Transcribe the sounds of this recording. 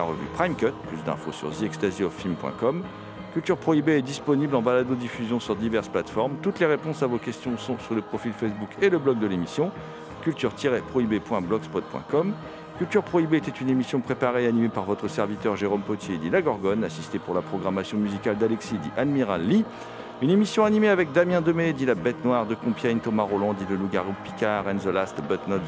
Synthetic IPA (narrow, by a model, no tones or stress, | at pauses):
aʁə̰vy̰pχajmkʲœt̪plysd̪ɛ̰̃fo̰sy̰ʁziɛkst̪aziɔfilmpwɛ̰̃kɔm | kʲylt̪yʁpχɔibeɛd̪ispɔniblɑ̃balad̪od̪ifyzjɔ̃syʁd̪ivɛʁsplat̪fɔʁmt̪ut̪leʁepɔ̃savokʲɛst̪jɔ̃sɔ̃syʁləpχɔfilfɛsbukʰeləblɔɡ̚d̪əlemisjɔ̃ | kʲylt̪yʁt̪ʰiʁɛpχɔibepwɛ̃blɔɡspɔt̪̚pwɛ̰̃kɔm | kʲylt̪yʁpχɔibeɛt̪ɛt̪ynemisjɔ̃pχepaʁeanimepaʁvɔt̪χəsɛʁvit̪œʁʒeʁompɔt̪jed̪ilaɡɔʁɡɔnasist̪epuʁlapχɔɡʁamasjɔ̃myzikʲald̪alɛksid̪iʔad̪miʁalːi | ynemisjɔ̃animeavɛk̚d̪amjɛ̃d̪əmed̪ilabɛt̪nwaʁd̪əkɔ̃pjaint̪ɔmaʁɔlɑ̃d̪iləluɡaʁupi̥kʲaʁɛnzɔlast̪bɛt̪nɔt̪